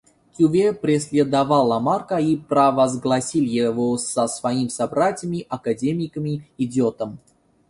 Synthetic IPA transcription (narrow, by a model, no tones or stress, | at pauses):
kʲuvʲepɾʲɪsʲlʲed̪ɐvalˠamarkəipɾɐvɐzɡlˠɐsʲilʲjɪvosəsvɐimsabɾatʲɪjəmʲiʔɐkadʲemʲɪkəmʲiidʲɪot̪əm